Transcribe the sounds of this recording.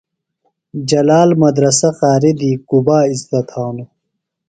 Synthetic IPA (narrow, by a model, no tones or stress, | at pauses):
d͡ʑɐlaːlmɐd̪ɾɐsɐqaːɾid̪iːkubaːizd̪ɐt̪ʰaːnu